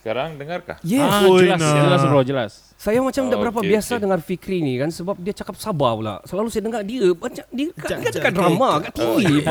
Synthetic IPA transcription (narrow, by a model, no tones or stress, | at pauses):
əkaɾaŋdəŋarka̰jɛəlad͡ʒəlasɾad͡ʒəla̰s | sajamat͡ʃamdaʔbəɾapabiasadəŋarfikɾinĩkansəbap̚diat͡ʃakap̚sabapula̰səlalusajanəŋardiəmat͡ʃamdiəkaiadəkadɾamãɡaʔt̪iŋɡi